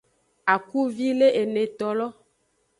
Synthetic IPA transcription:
a˨ku˦vi˦le˦ʔe˨nẽ˨t̪ɔ˨lɔ˦

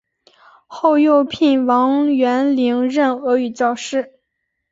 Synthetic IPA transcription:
xo˥˧ʊjo˥˧ʊpʰi˥˩nwɑ˧˥ŋɥɛ˧˥nli˧˥ŋɻə˥˩nɤ˧˥y˨˩t͡ɕjɑ˥˧ʊʂɻ̩˥˩

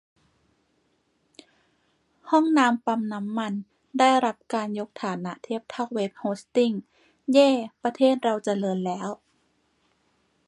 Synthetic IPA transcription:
hɔ˥˩ŋnaː˧˥mpa˧mna˦˥mːa˧n | daː˥˩jɾa˦˥p̚kaː˧njo˦˥k̚t̪ʰaː˨˩˦na˧˥ʔt̪ʰeː˧˥˩p̚t̪ʰa˧˥˩wweː˦˥p̚hoː˦˥st̪i˥˩ŋ | jɛː˥˩pa˧t̪ʰeː˥˩t̪̚ɾa˧wt͡ɕa˧lɤː˧nlɛː˦˥w

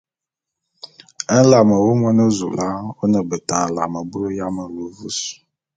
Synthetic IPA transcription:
ə˦la˨mə˨wo˦mɔ˦nə˦zṵ˨la˦o˦nə˨bə˨tã˨la̰˨mə˨bu˦lo˦ja˦mə˨lu˨vu˦su̥˨

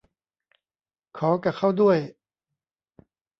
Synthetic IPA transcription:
kʰɔː˩˦ka˨˩kʰa˥˩wdu˥˩əj

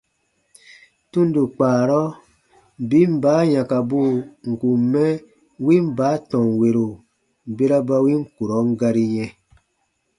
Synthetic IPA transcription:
tũ˦ndu˨k͡paː˨ɾɔ˦ | bi˦m̩˦baː˨˦jã˨ka˨bu˦˨ŋ̩˨ku˨mɛ˦ | wĩ˦m˦baː˨˦tɔ̃˨ŋwe˨ɾo˨ | be˦ɾa˦ba˧wĩ˦ŋ˦ku˨ɾɔ˨˦ŋ˦ɡa˧ɾi˦jɛ̃˧

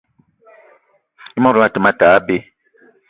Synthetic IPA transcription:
i˦mɔ˦˨ɾu˨˦a˨tə˨ma˦ta˨a˦be˦

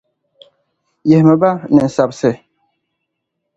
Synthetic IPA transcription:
jɛ˨hmə˨ba˦nɛ˨n̩˨sa˨p̚sɛ˦˨

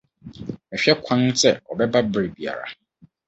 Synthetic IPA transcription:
ɛ˨ɕᶣɛ˦kʷʰã˦n˦sɛ˨ɔ˨bɛ˦ba˦bɾe˨bi˨a̰˨ɾa̰˨

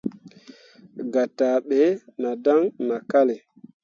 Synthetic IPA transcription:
ɡa˨ta˨ɓe˨˦na˨da˦ŋna˨ka˦le˨

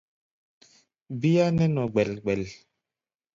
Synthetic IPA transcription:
bi˦ja˦nɛ˦nɔ˨ɡ͡bɛ˨lɡ͡bɛ˨l

